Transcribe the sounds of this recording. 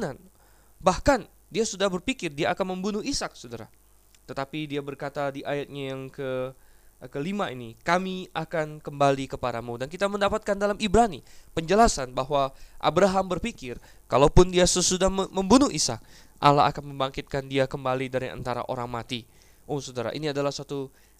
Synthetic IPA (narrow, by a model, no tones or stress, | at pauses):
nan | bahkan | diasudahbərpikɪrdiaːkanməmbunʊhisak̚sodaɾa̰ | t̪ət̪apidiabərkat̪adiʔajat̪̚ɲajaŋkə | kəlimainikamiakankəmbalikəpadamudankit̪aməndapat̪̚kandalamibɾanipəɲd͡ʒəlasanbaɦwaʔa̰bɾaɦambərfikɪr | kalapʊndiasəsudahməmbunʊhisa̰k̚ | ʔa̰laa̰kanməmbaŋkɪt̪̚kandiakəmbalidaɾiʔa̰nt̪aɾa̰ʔo̰ɾaŋmat̪i | ʔosodaɾa̰ʔḭniadalahsat̪u